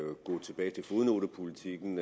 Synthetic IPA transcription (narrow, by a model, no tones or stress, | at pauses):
ɡ̥ɔ̰̽ːt͡sʰe̝b̥ɛːɪt͡sʰe̝lfo̝ðˠno̝ɾ̥əpʰolit͡sʰiɡ̥n̩